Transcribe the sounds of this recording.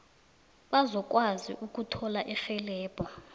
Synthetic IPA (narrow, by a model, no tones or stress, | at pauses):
ɓazɔk̬ʼwazḭʔuk̬ʼutʰɔlaʔixɛlɛːb̥ʱa